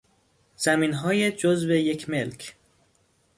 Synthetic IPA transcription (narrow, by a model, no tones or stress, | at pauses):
z̥æmiːnɦɒːjed͡ʒozve̞jecʰme̞lcʰ